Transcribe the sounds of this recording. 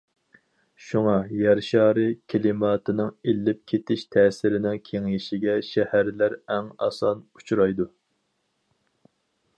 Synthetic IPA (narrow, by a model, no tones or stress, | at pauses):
ʃuŋɑjɛɾʃɑːɾɨkʲʰelɪmɑːt̪ʰɨnɨŋelːɪp̚kʲʰet̪ʰɪʃt̪ʰɛːsɪɾɪnɪŋkʲʰeŋiʃɪɡʲɛʃɛhæɾlæɾɛŋɑ̰sɑnu̥t͡ʃʰɾɑjd̪u